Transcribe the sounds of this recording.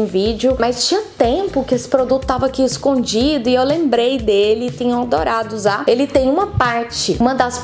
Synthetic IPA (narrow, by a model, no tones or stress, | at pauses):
vid͡ʒɪʊmɐjst͡ʃĩɲɐt̪ẽpʊkɪesɪ̥pɾod̪ut̪ʊt̪avɐakiɪskõd͡ʒid̪ʊɪewlẽmbɾejd̪elɪt̪ĩɲɐ̃w̃ad̪oɾad̪ʊuzaelɪt̪ẽj̃ũmɐpaɾt͡ʃɪũmɐ̃d̪as